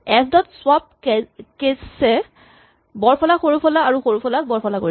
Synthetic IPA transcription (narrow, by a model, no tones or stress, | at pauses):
ɛsdɔtswap̚kessɛ | bɔɹpʰɔlaxoɹupʰɔlaːɹuxoɹupʰɔlak̚bɔɹpʰɔlakoɹi